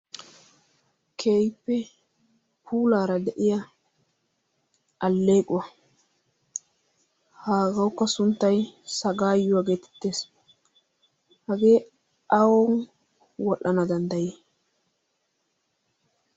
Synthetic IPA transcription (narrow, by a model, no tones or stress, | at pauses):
kʰeːjpːɛ | pʰuːlaːɾɐd̪ɛʔɪjɐ | ʔɐlːe̞ːkʼʊwɐ | haːɡɐwʊkːɐsʊnt̪ːɐjsɐɡaːjːʊwaɡeːt̪ɛ̥t̪ːeːs | hɐɡeː | ɐwɔn | wɔʔɐnɐd̪ɐnd̪ɐjeː